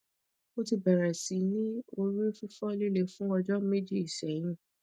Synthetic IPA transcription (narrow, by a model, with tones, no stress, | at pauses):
o˦ti˧bɛ˨ɾɛ˨si˨˦nĩ˦o˧ɾu˦fi˦fɔ˦nĩ˦le˦˨fũ˦ɔ˧d͡ʒɔ˦me˦d͡ʒi˦i˨sɛ˨˦j̃ĩ˦˨